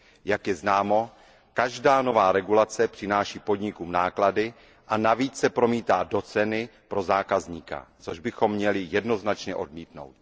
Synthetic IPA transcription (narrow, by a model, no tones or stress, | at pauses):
jakjɛznaːmo̞ | kaʒdaːno̞vaːɾɛɡulat͡sɛpr̥ɪnaːʃiːpo̞dɲɪkumnaːkladɪ | ʔanaviːt͡ssɛpɾo̞miːt̪aːdo̞t͡sɛnɪpɾo̞zaːkazɲiːka̰t͡so̞ʒbɪxo̞mːɲɛlɪjɛdno̞znat͡ʃɲɛʔo̞dmiːt̪no̞̰wt̪̚